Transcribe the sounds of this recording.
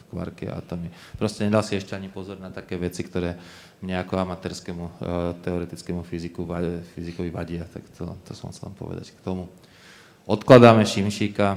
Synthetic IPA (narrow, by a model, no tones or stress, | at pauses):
kʋa̰ɾkia̰a̰t̪ɔmi | pɾɔscɛɲɛd̪alsiɛʃcɛaɲipɔzɔɾnat̪akɛːʋɛt͡sikt̪ɔɾɛː | mɲɛakɔamat̪ɛːɾskɛmut̪ɛɔɾɛt̪it͡skɛmufizikuʋafizikɔʋiʋaɟɪat̪a̰kt̪ɛlt̪ɔsɔ̰msɛl̰mpɔ̰ʋɛ̰d̪a̰ckt̪ɔmu | ɔt̪klad̪aːmɛʃimʃiːka